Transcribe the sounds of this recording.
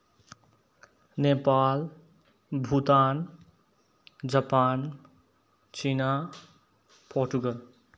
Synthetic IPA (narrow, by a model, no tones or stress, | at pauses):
nepal | bʱut̪an | d͡ʒapan | t͡ʃina | pʰoɾʈuɡəl